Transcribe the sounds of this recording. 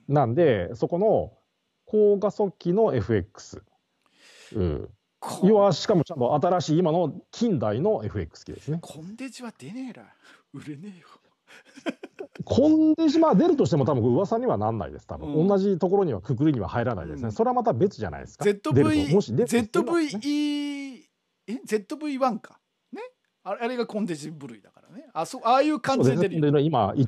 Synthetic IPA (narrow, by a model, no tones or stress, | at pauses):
nãnd̪e̞so̞ko̞no̞ | kʰo̞ːɡaso̞kʲːino̞e̞ɸɯ̟e̞kːɯ̥sɨ̰ | ɯ̰̃ː | joβaɕi̥kamot͡ɕãnt̪o̞ʔat̪aɾaɕiːmano̞kʲʰĩnd̪aino̞e̞ɸɯ̟e̞̰kːɯ̥sɨ̥kʲid̪e̞sɨnekʰond̪ead̪ | ɯɾene | kʰõ̞nd̪e̞ʑimaːd̪e̞ɾɯ̟t̪o̞ɕ̬it̪emo̞t̪abɯ̟ŋkoɯβasaɲ̟iβananːa̰ḭd̪e̞sɨ̥t̪abɯ̟̰̃õ̞nːaʑit̪o̞ko̞ɾo̞ɲ̟iβa̰kɯ̟k̬ɯ̟ɾɯɲiβa̰haiɾana̰ḭd̪e̞sɨneso̞ɾeamat̪abe̞t͡sɨʑa̰na̰ḭd̪e̞sɨ̥kaet̪ːod̪eɯomo̞ɕid̪ezet̪ːobɯii | eze̞t̪ːo̞bɯ̟iβãŋkḁ | ne | aaɾe̞ɡakõ̞nd̪eʑibɯ̟ɾɯ̟id̪akaɾaneasoaːjɯːkãodesneod̪eʑiimaʔi